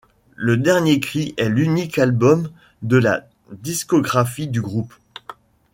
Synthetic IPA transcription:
ləd̪ɛʁnjekχiʔɛlynikalbɔm | d̪əla̰ | d̪iskɔɡʁafid̪yɡʁup

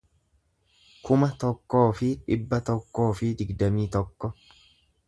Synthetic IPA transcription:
kʊmɐt̪ɔkːo̞ːfɪᶑɪbːɐt̪ɔkːo̞ːfɪd̪ɪɡd̪ɐmiːt̪ɔkːɔ

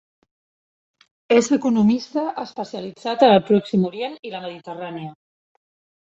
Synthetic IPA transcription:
ezəkunumist̪əʔəspəsiəlid͡zat̪ənəlˠpɾɔksimuɾjeniləməð̞it̪əraniə

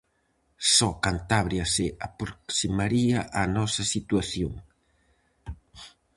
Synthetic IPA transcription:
sɔkant̪aβɾjɐsɪapɾoksimaɾiɐʔanɔsɐsit̪waθjoŋ

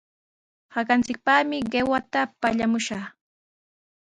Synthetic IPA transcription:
hakant͡sɪk̚paχmɪɢewat̪apaʎamʊʃaχ

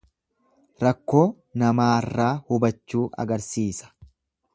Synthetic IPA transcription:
ɾɐkːo̞ː | nɐmaːrːaːhʊbɐt͡ʃːuːʔɐ̰ɡɐɾsiːsɐ̥

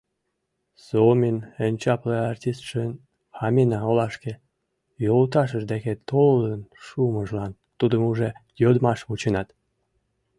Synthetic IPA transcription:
somʲinenʲt͡ɕɑpleɑrtʲist̪ʃen | ɑmʲenɑolɑʃke | jolt̪ɑʃ̬əʒd̪eket̪olənʃuməʒlɑn | t̪ud̪əmuʒe | jod̪mɑʃβut͡ɕenɑt̪

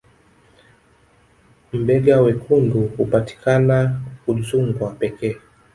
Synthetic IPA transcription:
m̩bɛɡawɛkʰunduhupati̥kʰanakuɗusuŋɡwapɛkɛː

